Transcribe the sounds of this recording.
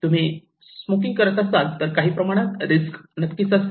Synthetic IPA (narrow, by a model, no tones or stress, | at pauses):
t̪um̤iː | smokĩŋɡkəɾət̪asalt̪əɾkaɦiːpɾəmaɽ̃at̪ɾisknət̪kit͡sas